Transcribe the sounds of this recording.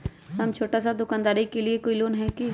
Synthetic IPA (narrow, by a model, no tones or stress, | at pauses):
ɦɐmt͡ʃʰoːʈasad̪ʊkaːnd̪aːɾikeliekoːiloːnɦɛki